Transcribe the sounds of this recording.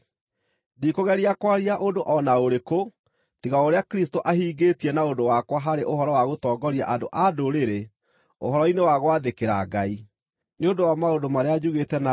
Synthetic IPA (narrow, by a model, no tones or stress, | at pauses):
dikoɣɛɾiakwaɾiaʔondoʔɔnaoɾeko | tiɣaoɾeakɾistoʔaɦiːɡetiɛnaondowakwaɦaɾeʔoɦɔɾɔwaɣotɔːɡɔɾia̰ʔadoʔadoɾeɾe | o̰ɦɔɾɔinewaɣowaðekeɾa̰ɡai | neondowamaodomaɾead͡ʑuɣetɛna